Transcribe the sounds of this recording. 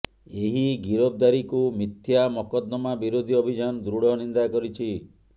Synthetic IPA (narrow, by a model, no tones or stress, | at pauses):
eɦiɡiɾob̚d̪aɾikumit̪ʰjamɔkɔd̪nɔmabiɾod̪ʱiɔbʱid͡ʒanɔd̪ɾuɽɔnind̪akɔɾit͡ʃʰi